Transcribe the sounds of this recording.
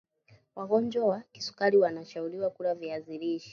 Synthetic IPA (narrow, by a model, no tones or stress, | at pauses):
waɣɔnd͡ʒɔwaki̥su̥kaɾiwanaʃauɾiwakuɾaviaziɾiʃi̥